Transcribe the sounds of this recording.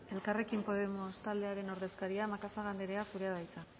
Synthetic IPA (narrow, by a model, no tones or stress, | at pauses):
e̞lkare̞kimpo̞ð̞e̞most̪ald̪e̞aɾe̞no̞ɾðe̞skaɾiamakasaɣand̪eɾe̞asuɾe̞að̞ajt͡sa